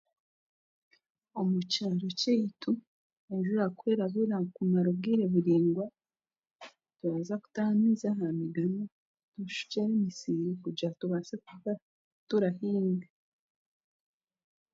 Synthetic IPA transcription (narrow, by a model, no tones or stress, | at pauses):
omucaːɾoceitu | eʒuɾakweːɾaβiɾakumaɾob̚ɡiːɾe̞βuɾiːŋɡwa | tuβaːzaku̥tamiːzaɦamiɡana | tuʃu̥ceɾemisiːɾikuɟatuβaseku | tuɾahiːŋɡa